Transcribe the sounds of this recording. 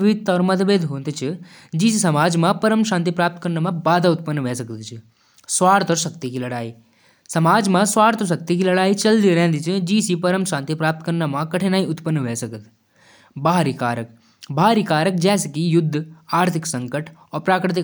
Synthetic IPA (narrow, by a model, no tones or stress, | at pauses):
ʋɪʋɪt̪ːɔːɾmɐt̪ʰʋeːd̪ʱɦõːnd̪it͡ʃʰi | d͡ʒiːsisɐmaːd͡ʒmãpɐɾəmʃãːnt̪̬ipɾaːp̚t̪kɐɾnamãbaːd̪aʊt̪pənːʋɛːsɐkt̪t͡ʃʰi | sʋaːɾt̪ɔɾʃɐkt̪ikilɐɽaːiː | sɐmaːd͡ʒmãsʋaːɽt̪oʃ̬ɐk̚t̪ikilɐɽaːit͡ʃɐld̪iɾɛ̃ɦnd̪it͡ʃʰid͡ʒiːsipɐɾəmʃãːnt̪ipɾaːp̚t̪kɐɾnamãkɐʈʰeːnaːĩʊt̪pənːʋeːsɐkət̪ | baːɾikaːɾək̚ | bʱaːɾikaːɾək̚d͡ʒɛːsekijʊd̪ʱːaːɾt̪ʰɪksɐ̃ŋkəʈʰɔːɾpɾaːkɾɪt̪̬ɪ